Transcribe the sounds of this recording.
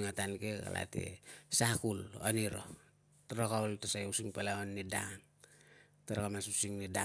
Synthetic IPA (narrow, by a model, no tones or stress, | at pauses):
ŋatankeka̰la̰tḛsakuloniɾo̰ | taɾakawltasajusiŋpalaonːidan | taɾakamasusiŋnida